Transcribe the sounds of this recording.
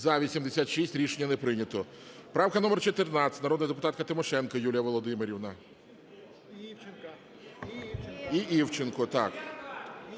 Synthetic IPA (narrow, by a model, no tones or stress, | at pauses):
zɐʋʲisʲimd̪esʲat̪ʃisʲtʲɾʲiʃenʲːɐnepɾɪnʲɐt̪ɔ | pɾɑwkɐnɔmɛrt͡ʃɔt̪ɪrnɑt͡sʲtʲnɐɾɔd̪njd̪ep̬ʊt̪ɑt̪̚kɐt̪ɪmɔʃɛnkɐjulʲijɐʋɔlˠɔd̪ɪmeɾʲiwnɐ | iiwt͡ʃenkɔt̪ɑk